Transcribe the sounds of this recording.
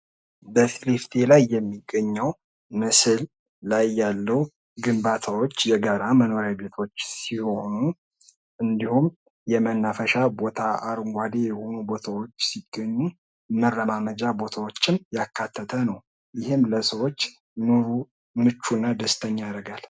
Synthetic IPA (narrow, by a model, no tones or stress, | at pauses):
bəfilift̪ʰe̞lajːɛmːiɡːəɲːəw | mɨsɨlː | ajːalːəw | ɡɨmbat̪ʰawot͡ʃːjɛɡaɾaməno̞ɾjabe̞t̪ʰo̞t͡ʃːsiho̞nu | ʔɨnd̪ihum | jɛmənːafəʃabo̞t̪ʰaaɾŋɡʷad̪e̞jɛho̞nubo̞t̪ʰawo̞t͡ʃːsiɡ̥ːəɲːu | mərːəmaməd͡ʒabo̞t̪ʰawo̞t͡ʃːɪmjakʰːat̪ʰːət̪ʰənəw | jɪhɪmləsəwo̞t͡ʃː | nuɾu | mɨt͡ʃːunːad̪əst̪ʰəɲːjaɾəɡal